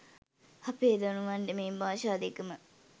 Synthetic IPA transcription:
hɐpeːd̪ɐnuʋɐnɖemeːmbaːʃaːd̪ekəmə

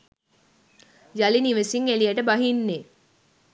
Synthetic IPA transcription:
jaliniʋesiŋeliaʈəbaɦinːe

